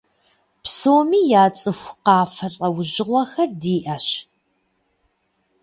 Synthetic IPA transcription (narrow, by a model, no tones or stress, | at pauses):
psoːmiːjaːt͡sʼɨxʷqɑːfɐɬʼɐwʊʑɪʁʷɔxɐrdiːʔɐɕ